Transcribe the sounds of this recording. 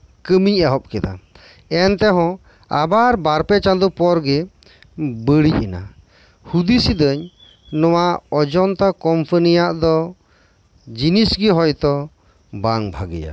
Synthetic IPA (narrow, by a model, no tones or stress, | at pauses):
kəmiɲɛɦɔp̚kɛd̪a̰ | ɛnt̪ɛɦɔ̃ | a̰baɾbaɾpɛt͡ʃand̪upɔɾɡɛ | bəɽic̚ina̰ | hud̪isid̪əɲ | nɔwaɔd͡ʒɔnt̪akɔmpʰənijaʔd̪ɔ | d͡ʒinisɡiɦɔjt̪ɔ | baŋbʱaɡḭja̰